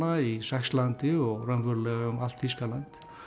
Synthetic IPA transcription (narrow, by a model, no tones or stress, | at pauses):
aisɛxslant̪ɪɔɣrœmvʏɾlɛɣaʏmal̥t̪fiskalant̪